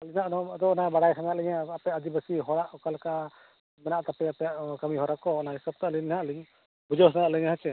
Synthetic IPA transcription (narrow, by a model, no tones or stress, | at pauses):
alinaʔnɔmd̪ɔɔnabaɽajsʰaŋaʔlɛɲaapɛad͡ʒibəsiɦɔɽaʔɔkalka | mɛnaʔt̪apɛapɛjaʔkamiɦɔɾakɔɔnahisab̚t̪aʔliɲhaʔliɲ | bud͡ʒɔsaŋaʔlɛɲaɦat͡ʃɛ